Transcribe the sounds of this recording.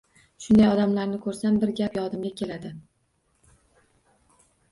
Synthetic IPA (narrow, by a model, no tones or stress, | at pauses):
ʃʊnd̪ajɒd̪amlaɾnɪkʰɵɾsambɪɾɡʲapjɒd̪ɪmɡʲakʲʰe̞lad̪ɪ